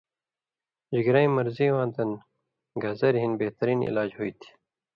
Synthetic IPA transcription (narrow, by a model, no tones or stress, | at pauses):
d͡ʑiɡɾaːĩmɐɾziwãːnt̪ɐn | ɡɐzɐɾɦinbeht̪ɐɾiːnḭlaːd͡ʑhuit̪ʰi̥